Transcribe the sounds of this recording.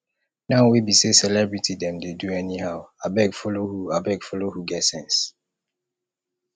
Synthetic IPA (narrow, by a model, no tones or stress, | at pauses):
naʊwibisesɛlɛbɹitʰidɛ̃mdeduɛnihaʊabɛɡfɔlohuabɛɡfɔlohuɡɛtsɛ̃ns